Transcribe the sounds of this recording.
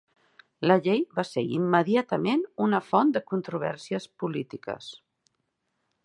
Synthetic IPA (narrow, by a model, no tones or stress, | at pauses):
ləʎejβaseḭmːəðiat̪əmenunəfɔnd̪əkunt̪ɾuβ̞ɛ̰ɾsiəspulit̪ikə̰s